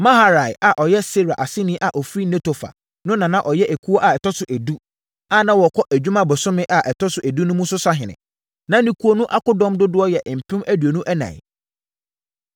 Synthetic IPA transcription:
mã˦ɦa˦˨ɾa˨ja˨ʔɔ˨jɛ˦se˦ɾa˨ʔa˨sɪ˦nĩ˦ʔa˨ʔɔ˨fɾi˦nẽ˦tʰo˨fa̰˨ | nʊ̃˦nã˨nã˦ʔɔ˨jɛ˦ʔe˨kʰu˦o˦ʔa˨ɛ˨tʰɔ˦sʊ˨ʔæ˨du˦ | a˦˨nã˦wɔ˨kʰɔ˦ʔæ˨d͡ʑᶣu˦mã˦bʊ˨sʊ̃˦mɪ̃˦ʔa˨ʔɛ˨tʰɔ˦sʊ˨ʔæ˨du˦nʊ̃˦mũ˦sʊ˦sa˦ɦɪ̃˨nɪ̰̃˨ | nã˦nĩ˨kʰu˦o˦nũ˦ʔa˦kʊ˦dɔ̃˦mdʊ˦dʊ˦ɔ˦jɛ˨ʔm̩˨pʰɪ̃˦mæ˦dɥe˨nũ˦ʔæ˦nã̰˨ɪ̰˨

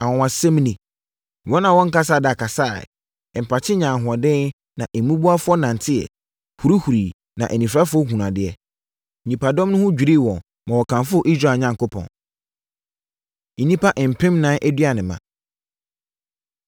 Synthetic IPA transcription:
ã˨wɔ̃˨wã˨sɛ̃˦m˦nĩ˨ | wɔ̃˦nã˨wɔ̃˦ŋ̩˦ka˦s̬aː˦˨da˨kʰa˨sa̰ː˦˨ | m̩˨pʰa˨t͡ɕʰɪ˦ɲã˨ɦʊ˨ɔ˨dɪ̃˦n | nã̰˨ʔɛ˨mũ˦bu˦a˦fʊ˦ɔ˦nã˨ntʰɪ˦ɛ̰˨ | hu˨ɾu˦hu˨ɾiː˨ | nã˨ʔɛ˨nĩ˨fɾa˦fʊ˦ɔ˦hũ˨nã˨dɪ˦ɛ˦˨ | nĩ˨pʰa˨dɔ̃˦mnʊ̃˦hʊ̃˦d͡ʑᶣi˨ɾi˦˨wɔ̃˨n | mã˨wɔ˨kʰã˨nfʊ˦ɔ˦ʔi˦s̬ɾa˦˨ɲã˨ŋko˦pʰɔ̰̃˨n˨ | nĩ˦pʰa˦ʔm̩˨pʰɪ̃˦mnãː˦ʔæ˦dɥa˨nɪ̃˨mã̰˨

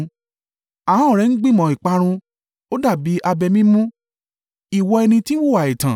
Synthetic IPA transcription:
a˨ã˦ɔ˨ɾɛ˦ñ̩˦ɡ͡bĩ˦˨mɔ̃˨˦i˨k͡pa˧˦ɾ̃ũ˧ | o˦da˦˨bi˨˦ʔa˧bɛ˧mĩ˦mũ˦ | i˨wɔ˧ɛ˧nĩ˧tĩ˦wo˦˨wa˨i˨tã̰˨

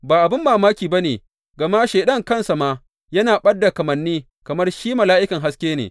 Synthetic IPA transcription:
baː˨ʔa˨bɪ˦mbaː˨maː˦kʲiː˨ba˦neː˨ | ɡɐ˨ma˦ʃeː˨ɗɐ˦˨ŋkɐ˦nsa˨maː˦ | jɐ˦naː˨ɓɐ˦dːa˨kɐ˨mɐ˨nːiː˦ | kɐ˨mɐ˦rʃiː˦mɐ˨laː˦ʔɪ˦kɐ˨ŋɦa˦skʲeː˦nḛː˨

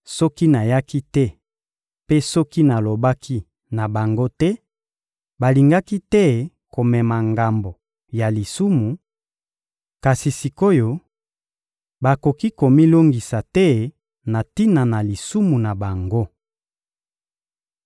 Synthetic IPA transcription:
sɔ˦ki˦na˨ja˦ki˦tɛ˦ | pe˦sɔ˦ki˦na˨lo˨ba˦kʰi˦ | na˨ba˨ŋɡo˦tɛ˦ | ba˨li˨ŋɡa˦ki˦tɛ˦ | ko˨mɛ˨ma˨ŋɡa˨mbo˨ | ja˨li˨su˦mu˨ | ka˨si˨si˨ko˦jo˨ | ba˨ko˨ki˦ko˨mi˦lo˦ŋɡi˨sa˨tɛ˦ | na˨ti˦na˨na˨li˨su˦mu˨na˨ba˨ŋɡo˦

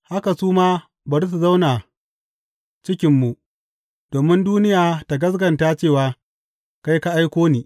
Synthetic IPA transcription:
ha˦ka˨suː˦maː˦ | bɐ˨ɾs̬u˨za˦wna˨ | t͡ʃɪ˦kʲɪ˨mːu˨ʔ | d̥oː˨mɪ˦nduː˦nɪ˦jaː˨ta˨ɡɐ˦s̬ɡɐ˨ntaː˦t͡ʃeː˦˨waː˦ | ka˦jka˦ʔa˦jkʷoː˦niː˨

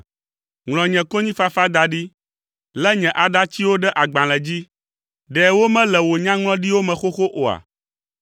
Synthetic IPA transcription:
ŋlɔ̃˨ɲɛ̃˨ko˦ɲĩ˦fa˦fa˦d̪a˨ɖi˦ | lɛ˦ɲɛ̃˨ʔa˨ɖa˦t͡ɕi˦wo˦ɖɛ˦ʔa˨ɡ͡bã˨lɛ̃˨d͡ʑi˦ | ɖɛ˨wo˦mɛ̃˦lɛ˨wo˨ɲã˦ŋlɔ̃˦ɖi˦wo˦mɛ̃˨xo˦xo˦ʔo˨a̰˨

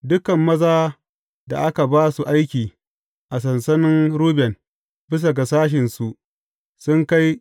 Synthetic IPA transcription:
dʊ˦kɐ˨mːɐ˦zaː˦ | da̰˨ʔa˦ka˨baː˦su˨ʔa˦jkʲiː˨ | ʔa˨s̬ɐ˨nsɐ˦nɪ˦nɾuː˦bɛ˨n | bɪ˦s̬ɐ˨ɡa˨saː˦ʃ̬ɪ˨nsu˨ʔ | sʊ˦ŋka˦j

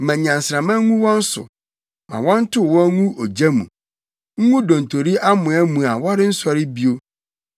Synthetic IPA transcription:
mɛ̃˨ɲã˨n˨sɾã˨mã˦ŋũ˦wɔ̃˦n̩˦sʊ̰˨ | mã̰˨wɔ̃˦n̩˦tʰʊ˦˨wɔ̃˦ŋũ˦ʔo˨d͡ʑæ˦mṵ̃˨ | ŋ̩˦ŋũ˦dɔ̃˨n̩˨tʰo˨ɾi˦ʔa˦mʊ̃˨ɛ˦mũ˨a˨wɔ˦ɾɪ˦n̩˦sɔ˨ɾɪ˦bi˦o˦

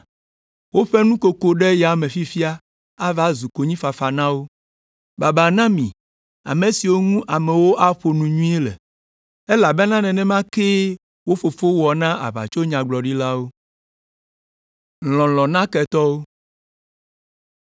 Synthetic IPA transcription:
wo˦ɸɛ˦nũ˦ko˨ko˦ɖɛ˦ja˨mẽ˨fi˦fi˦a˦ | a˦va˦zu˨ko˨ɲĩ˦fa˨fa˨nã˦wo˦ | ba˨ba˨nã˦mĩ˨ | a̰˨me˨si˨wo˦ŋũ˦ʔa˨mɛ˨wo˦ʔa˦ɸo˨nũ˨ɲũ˦e˦lɛ̰˨ | e˦la˨bɛ˦nã˦nɛ̃˨nɛ̃˦mã˦ke˦ | wo˦fo˨fo˦wɔ˨nã˦ʔa̰˨βa̰˨t͡ʃo˦ɲã˨ɡ͡blɔ˨ɖi˦la˦wo˦ | lɔ̃˨lɔ̃˨nã˦kɛ˨t̪ɔ˦wo˦

